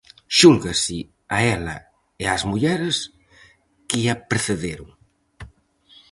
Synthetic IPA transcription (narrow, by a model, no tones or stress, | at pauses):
ʃulɣasi | aɛla̰ | eazmuʎɛɾes | keʎapɾeθeðeɾuŋ